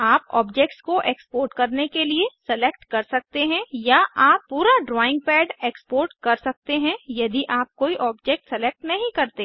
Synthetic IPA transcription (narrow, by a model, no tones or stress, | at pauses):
aːpɔ̰ːbd͡ʒek̚ʈskoʔeːkspoːɾʈkɐɾnekeliesɛleːkʈkɐɾsɐk̚t̪eɦɛ̃jaʔaːpːuːɾaɖɾɔːɪ̃ŋɡ̚pɛːɖeːkspoːɾʈkɐɾsɐk̚t̪eɦɛ̃jɐd̪iʔaːp̚koːiʔɔːbd͡ʒeːk̚ʈsɛleːk̚ʈnɐɦĩkɐɾt̪eː